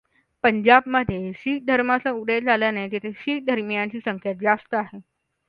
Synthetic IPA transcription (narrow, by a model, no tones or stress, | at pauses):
pəɲd͡ʑabməd̪ʱjeɕiːk̚d̪ʱəɾmat͡sauɽed͡zaljanet̪et̪ʰeɕiːk̚d̪ʱəɾmijãɲt͡ɕiːsəŋkʰjat̪̚d͡zast̪əaɦe